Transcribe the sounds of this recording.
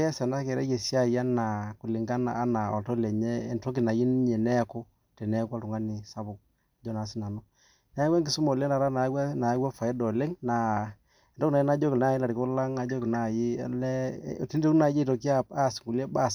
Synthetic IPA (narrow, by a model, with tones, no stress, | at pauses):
ɛ˦sa˨na˦kɛ˨ɾɛ̰˦e˨sja˦˨ja˦na˨ku˨li˨ŋɡa˦na̰ː˨˦na˨ɔ̰˨ltɔ˦lɛ˨ɲɛː˦˨nto˦k̬ɪ˨na˨ji˦n˦ɲɛ˨nɛ˦ko˦ | tɛ˨nɛ˦kwa˦tu˨ŋa˦nɪ˨sa˦bʊ˨k̚ | a˨d͡ʒɔ˦na˨˦sɪ˦na˨nɔ˦ | nɛ˨˦wa˦ŋɡɪ˨su˦mɔ˨lɛ˦na˨ɾa˦na˨˦wa˦na˨˦wa˦fa˨ɛ˦dɔ˨le˦ŋna˨ | ɛ˨ntɔ˦kna˨ji˦na˦d͡ʒɔ˦kɪ˨na˦˨ji˦la˨ɾɪ˨ko˦la˦ŋa˨d͡ʒɔ˦kɪ˨na˦˨jḭ˦˨lɛ̰˦˨ti˦nto˦na˨ji˦tɔ˨k̬i˦a˦pa˦˨sŋɡu˨lɛ˦ba˦˨s